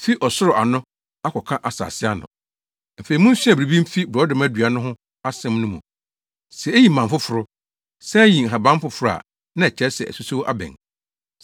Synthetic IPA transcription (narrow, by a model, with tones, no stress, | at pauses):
fi˦ʔɔ˨sʊ˦ɾʊ˨ʔa˨nʊ̃˦ | a˦kʰɔ˨kʰã˦ʔa˨sa̰ː˨sɪ˦a˦nʊ̰̃˨ | m̩˨fe˨ɾi˨mʊ̃˦n̩˦si˦a˨bɾi˨bĩ˦m̩˦fi˦bɾɔ˦dɪ˨˦mæ˦dɥa˨nʊ̃˦ɦʊ̃˦ | a˦sɛ̃˦m˦nʊ̃˦mṵ̃˨ | sɛ˨e˦ji˨mã˨m˨fʊ˦fʊ˨ɾʊ˦ | sɛ˦ji˨ŋ̩˨ɦa˨bã˦m˦fʊ˨fʊ˦ɾʊ˦a̰˨ | nã˦ɛ˨t͡ɕʰɛ˦sɛ̰˨ɛ̰˨su˦so˦wʔa̰˦bɛ̰̃˨ŋ